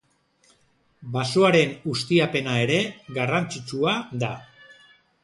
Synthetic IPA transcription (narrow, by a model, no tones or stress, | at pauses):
basuaɾe̞nust̪iape̞nae̞ɾe̞ɣarant͡sit͡ʃuaða